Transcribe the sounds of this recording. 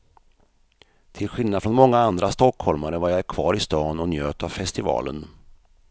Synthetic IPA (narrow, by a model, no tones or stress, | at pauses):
t̪ʰɪlɧɪlnad̪fɾɔnmɔŋːaand̪ɾast̪ɔkhɔlmaɾəvajaɛɾkʰvɑːɾɪst̪ɑːnɔnjøːt̪avfɛst̪ɪvɑ̰ːlə̰n